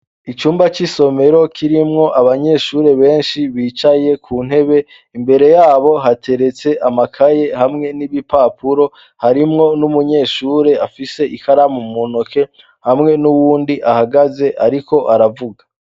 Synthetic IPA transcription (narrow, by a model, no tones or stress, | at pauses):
it͡ʃuːmbat͡ʃiso̞me̞ɾo̞kʰiɾimŋo̞ʔaβaɲe̞ːʃuːɾe̞βe̞ːnʃiβiːt͡ʃaje̞kʰuːn̥he̞βe̞ | imbe̞ɾe̞jaːβo̞ɦatʰe̞ɾe̞t͡se̞ʔamakʰaje̞hamŋe̞niβipaːpʰuɾo̞ | haɾimŋo̞numuɲe̞ːʃuːɾe̞afise̞ʔikaɾamumonokʰe̞ | hamŋe̞nuwuːndiʔahaɡaze̞ʔaɾiko̞ʔaɾavuɡḁ